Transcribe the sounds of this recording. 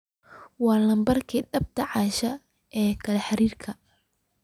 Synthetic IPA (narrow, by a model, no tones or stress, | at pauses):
wɑːlɐmbɐrkʰiːɖɐb̚t̪ʰɐʕɑːʃɐ | ʔɛːkʰɐlɛħɑɾiːrkʰɐ